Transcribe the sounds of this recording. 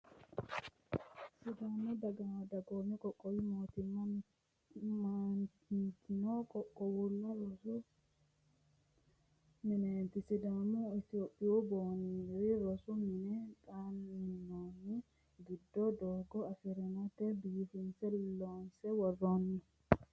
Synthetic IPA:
sɪd̪anɔd̪ɐɡɐd̪ɐɡoːmɛkʼɔkʼːɔwɪmot̪ɪn | ma | t̪ɪnɔkʼɔkʼːɔwʊlːɔwɔsʊ | mɪneːnt̪ɪsɪd̪amʊɪt̪oːpʼːɪɔboːniɾɪɾɔsʊmɪnɛt̪ʼanɪnːoːnːɪ | ɡɪd̪ːɔd̪oːɡɔɐfɪɾɛnɐt̪ɛbiːfɪnsɛloːnsɛwɔrːonːɔ

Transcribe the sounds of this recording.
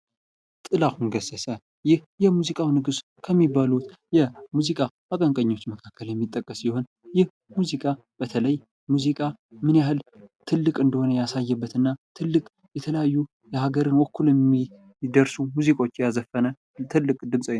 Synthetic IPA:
t̪ʼɨlakunɡəsəsə | jɪh | jɛmuzikʼawnɨɡɨs | kʰəmːibalut̪jɛmuzikʼa | akʼəŋkʼəɲːo̞t͡ʃːməkʰakʰːəljɛmːit̪ʼːəkʼːəsiho̞n | jɪh | muzikʼa | b̥ət̪ʰələj | muzikʼamɨnjahɨlt̪ʰɨlːɨkʼɨnd̪əho̞nəjasajːɛbːət̪ɨnːat̪ʰɨlːɨkʼ | jɛt̪ʰələjajːu | jɛhaɡəɾɨnwəkʰːulɛi | d̪əɾsumuzikʼo̞t͡ʃːjazəfːənə | t̪ʰɨlːɨkʼd̪ɨmsʼəw

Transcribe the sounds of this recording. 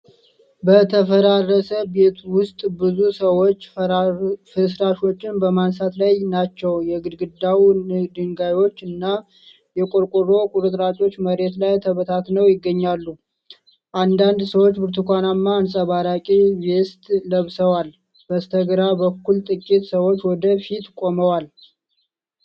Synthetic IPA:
bət̪ʰəfəɾarːəsəbe̞t̪ʰwʊst̪ʼbɨzusəwo̞t͡ʃː | fɨsɾaʃo̞t͡ʃːɪnbəmansat̪lajnat͡ʃːɛwjɛɡɨd̪ɡɨd̪awid̪ɨŋɡajo̞t͡ʃːɨnːa | jɛkʼoɾkʼuɾo̞kʼuɾɨt̪ʼɾat͡ʃʼo̞t͡ʃːməɾe̞t̪lajt̪ʰəβət̪ʰat̪nəwjɪɡːəɲːalːu | ʔand̪and̪səwot͡ʃːbɨɾt̪ʰukʰʷanamːaːnsʼəβaɾakʼijɛst̪ʼləβsəwal | b̥əst̪ʰəɡɾabəkːult̪ʼɨkʼːit̪səwo̞t͡ʃːwɔd̪əfit̪kʼo̞məwal

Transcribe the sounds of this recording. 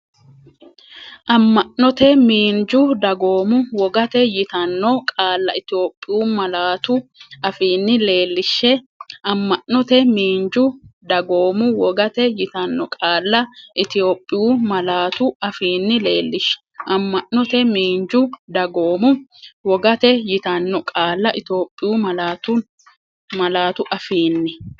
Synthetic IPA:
ʔɐmːɐʔnɔt̪ɛmiːnd͡ʒʊd̪ɐɡo̞ːmʊwɔɡɐt̪ɛjɪt̪ɐnːɔkʼaːlːɐɪt̪ɪoːpʼːɪjuːmɐlaːt̪ʊɐfiːnːɪle̞ːlːɪʃːɛ | ɐmːɐʔnɔt̪ɛmiːnd͡ʒʊd̪ɐɡo̞ːmʊwɔɡɐt̪ɛjɪt̪ɐnːɔkʼaːlːɐʔɪt̪ɪjo̞ːpʼːɪjuːmɐlaːt̪ʊɐfiːnːɪle̞ːlːɪʃːɛ̥ʔɐmːɐʔnːɔt̪ɛmiːnd͡ʒʊd̪ɐɡoːmʊwɔɡɐt̪ɛjɪt̪ɐnːɔkʼaːlːɐʔɪt̪oːpʼːɪjuːmɐlaːt̪ʊ | mɐlaːt̪ʊʔɐfiːnːɪ

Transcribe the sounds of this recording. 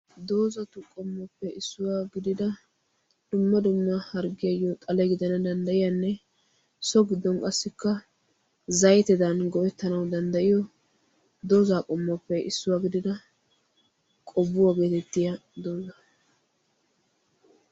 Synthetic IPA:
d̪o̞ːzɐt̪ʊkʼɔmːɔpːɛɪsːʊwaːɡɪd̪ɪd̪ɐ | d̪̥ʊmːɐd̪ʊmːɐhɐɾɡɪjɐjːɔt̪ʼɐlɛɡɪd̪ɐnɐd̪ɐnd̪ɐjɪjɐnːɛ | sɔɡɪd̪ːɔnkʼɐsːɪkːɐ | zɐjt̪ɪd̪ɐnɡɔwɛt̪ːɐnɐwd̪ɐnd̪ɐʔɪjɔ | d̪o̞ːzaːkʼɔmːɔpːɛʔɪsːʊwaɡɪd̪ɪd̪ɐ | kʼɔbːʊwaɡe̞ːt̪ɛt̪ːɪjɐd̪o̞ːzɐ

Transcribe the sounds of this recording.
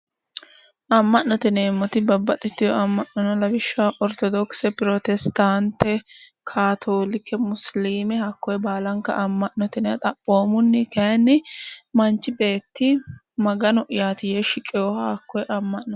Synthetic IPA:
ʔɐmːɐʔːɔt̪ɪneːmːɔt̪ɪbɐbːɐt̪ʼːɪt̪ːɪjɔʔɐmːɐʔnɔnɔlɐbɪʃːaʔɔɾt̪ɔd̪ɔksɛpɪɾot̪ɛst̪ant̪ːɛ | kʰaːt̪ʰoːlɪkːɛmʊsliːmɛhɐkːɔjbaːlɐŋkːɐ̰ʔɐmːɐʔnɔt̪ɪnɛɐt̪ʼɐpʼːo̞ːmʊnːɪkɐnːɪmɐnt͡ʃːɪbe̞ːt̪ːɪ | mɐɡɐnɔʔɪjaːt̪ɪjɛʃɪkʼːɛjɔhɐɐkːɔjʔɐmːɐʔnːɔ

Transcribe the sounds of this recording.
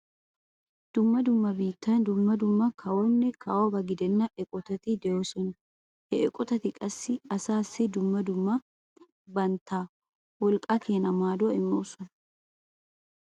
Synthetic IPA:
d̪̥ʊmːɐd̪ʊmːɐbiːt̪ːɐnd̪ʊmːɐd̪ʊmːɐkʰɐwɔnːɛkʰɐwɐbɐɡɪd̪ɛnːɐʔɛkʼɔt̪ɐt̪ɪd̪ɛjoːsɔn | hɛɛkʼɔt̪ɐt̪ɪkʼɐsːɪɐsaːsːɪd̪ʊmːɐd̪ʊmːɐ | bɐnt̪ːaː | wɔlkʼːɐkʰeːnɐmaːd̪ʊɐɪmːoːsɔn

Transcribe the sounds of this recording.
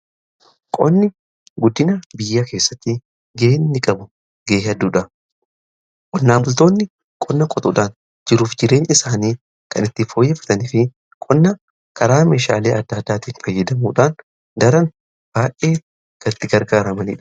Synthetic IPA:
kʼɔ̰nːɪ | ɡʊd̪ːɪnɐbɪjːɐke̞ːsːɐt̪ːɪ | ɡe̞ːnːɪkʼɐbʊ | ɡe̞ːɐd̪uːᶑɐ | kʼɔnːaːmbʊlt̪o̞ːnːɪ | kʼɔnːɐkʼɔt̪ʼʊᶑaːn | d͡ʒɪɾuːfd͡ʒɪɾe̞ːnɪsaːniː | kɐnɪt̪ːɪfo̞ːjːɛfɐ̥t̪ɐniːfɪ | kʼɔnːɐ | kʰɐɾaːme̞ːʃa̰ːle̞ːɐd̪ːɐːd̪ːaːt̪iːnfɐjːɐd̪ɐmuːᶑaːn | d̪ɐɾɐn | b̥aːʔe̞ː | ɡ̥ɐt̪ːɪɡɐɾɡaːɾɐmɐnḭːᶑɐ̥

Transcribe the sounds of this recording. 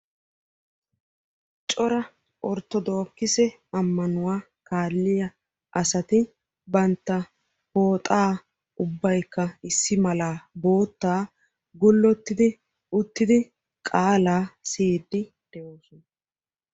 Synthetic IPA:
t͡ʃʼɔɾɐ | ʔɔɾt̪ːɔd̪o̞ːkːɪsɛ | ɐmːɐnʊwaː | kaːlːɪjɐ | ʔɐsɐt̪ɪ | bɐnt̪ːɐ | ho̞ːt̪ʼaː | ʊbːɐjkːɐɪsːɪmɐlaːbo̞ːt̪ːaː | ɡʊlːɔt̪ːɪd̪ɪ | ʊt̪ːɪd̪ɪ | kʼaːlaːsiːd̪ːɪ | d̪̥ɛjoːsɔn

